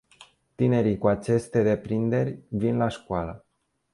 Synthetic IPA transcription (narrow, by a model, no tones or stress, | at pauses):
t̪ine̞ɾikuat͡ʃe̞st̪e̞d̪e̞pɾind̪e̞rʲvinlaʃkoalə